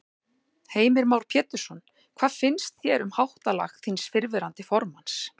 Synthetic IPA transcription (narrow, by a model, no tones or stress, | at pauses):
heːjmɪɾmaːwɾ̥pʰjɛːt̪ʏ̥sɔn | kʰv̥aːðfɪnst̪çjɛɾʏmhawht̪ala̰xθinsfɪɾvɪɾant̪ɪfɔɾmans